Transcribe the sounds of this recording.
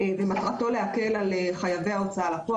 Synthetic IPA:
vematʁato̞le̞ake̞laleχajave̞jao̞t͡saalapo

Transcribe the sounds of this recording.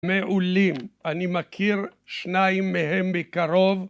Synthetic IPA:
meʔulimʔanimakʰiʁʃnaimːeɦembekaʁo̞v

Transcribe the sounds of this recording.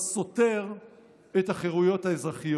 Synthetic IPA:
so̞t̪e̞ʁ | et̪aχeʁujo̞t̪haezʁaχij

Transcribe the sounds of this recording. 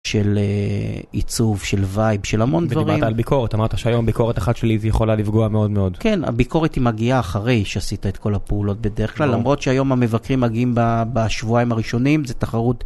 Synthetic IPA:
ʃe̞le | it͡suvʃe̞lvajbʃe̞lamo̞nddvaʁaʁmt̪aːlbikʰo̞ʁet̪amaʁt̪aʃeajombiko̞ʁet̪aχat̪ʃelizjeχo̞lalifɡo̞ameo̞d̪meo̞d̪kena̰biko̞ʁetimaɡiaːχaʁe̞jʃeasit̪aet̪̚ko̞lapeulo̞t̪̚be̞deʁeχklalːamʁo̞t̪ʃeajo̞mame̞vakʁimːaɡiimbabaʃvuaimaʁiʃo̞nimzetaχaʁut

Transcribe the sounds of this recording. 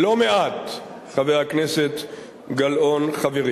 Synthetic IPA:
lo̞meʔat̪ | χavejhakneset̪ | ɡalʔo̞nχaveʁ

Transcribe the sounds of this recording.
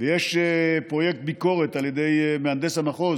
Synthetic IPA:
vejeʃpʁo̞jek̚t̪̚biko̞ʁet̪aljed̪ejmeand̪esanaχo

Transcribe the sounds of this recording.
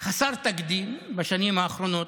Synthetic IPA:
xɐsɐɾt̪ɐkd̪iːmbɐʃɐnimaːxɾunoː

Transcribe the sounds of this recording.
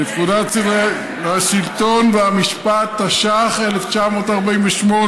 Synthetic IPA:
nekudat͡sive | aʃilto̞nveamiʃpat̪ːaʃaχeleft͡ʃamo̞ːtaʁbainveʃmo̞

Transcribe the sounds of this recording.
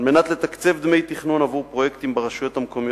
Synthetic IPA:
lme̞nat̪le̞t̪akt͡se̞vd̪me̞jt̪iχnunavuʁpʁo̞jekt̪imbeʁaʃujo̞t̪hamko̞mijo

